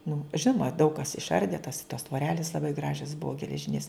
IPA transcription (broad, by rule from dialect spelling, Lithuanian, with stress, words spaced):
nʊ ˈʒʲɪnoːmɐ dɐʊk kɐs ɪʃˈɐrʲdʲeː tɐs toːs tʋoːˈrʲæːlʲɪs lˠɐˈbɐɪ ˈɡrɑːʒʲɛs ˈbʊɐ ɡʲɛlʲɛˈʒʲɪnʲeːs